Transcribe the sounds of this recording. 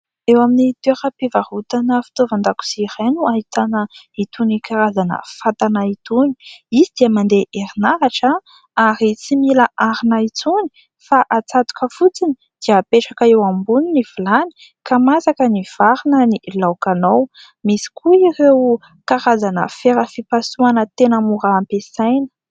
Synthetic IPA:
ewaminit̪eɾəpivahut̪anəfi̥t̪ovand̪aku̥siɾenuaɦit̪anəit̪unikaɾazanə̰fat̪anait̪uni̥izid̪iəmand̪eʔeɾinaɾaʈ͡ʂə | aɾit͡similaʔaɾinait͡suni̥ | faʔat͡sat̪u̥kəfut͡sini | d̪̥iapeʈ͡ʂakaewambuniniv̥ilani̥ | kamasakəniv̥aɾinənilawkanow | misi̥kʰuirew | kaɾazanə̰feɾəfipasuanət̪enəmuɾaːmpesajnə̥

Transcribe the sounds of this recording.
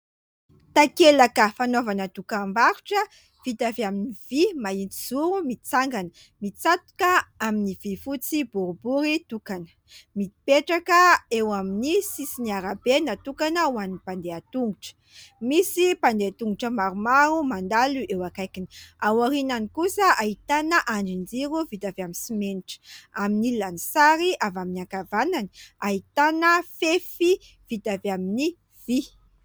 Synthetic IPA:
t̪akelakəfanovanət̪ukambaɾuʈ͡ʂə | v̥it̪aviaminiv̥imaint̪iz̥uɾumit͡saŋɡanə | mit͡sat̪u̥kaaminivifut͡sibuɾubuɾit̪ukanə̥ | mii̥peʈ͡ʂakəewaminisisiniaɾabenat̪ukanəuanipand̪eat̪uŋɡuʈ͡ʂə̥ | misipand̪eat̪uŋɡuʈ͡ʂəmaɾumaɾumand̪aluʔewakajkiniawaɾinanikusəʔait̪anəʔaɳɖ͡ʐind͡ziɾuvit̪avaminsimeniʈ͡ʂə̥aminilanisaɾiavaminiakavanani̥ait̪anəfefi | v̥it̪avamini | v̥i

